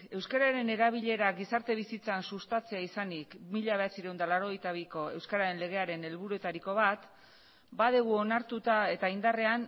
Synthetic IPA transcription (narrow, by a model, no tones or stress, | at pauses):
e̞wskaɾaɾe̞ne̞ɾaβiʎe̞ɾaɡisaɾt̪e̞β̞isit͡sansust̪at͡se̞aisanikmiʎaβe̞at͡siɾeuwnd̪alaɾo̞ɣ̞e̞jt̪aβiko̞e̞wskaɾaɾe̞nle̞ɣ̞e̞aɾe̞ne̞lβuɾue̞t̪aɾiko̞β̞at̪ | bað̞eɣ̞uo̞naɾt̪ut̪ae̞t̪aind̪are̞an